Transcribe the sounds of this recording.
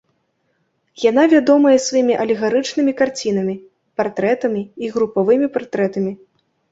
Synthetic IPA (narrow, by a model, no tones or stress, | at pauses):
jan̪avʲad̪ɔmɐjɛsvajimʲiʔɐlʲiɣaɾɨt͡ʂnɨmʲikart͡sʲin̪ɐmʲi | part̪ɾɛt̪ɐmʲiiɣɾupavɨmʲipart̪ɾɛt̪ɐmʲi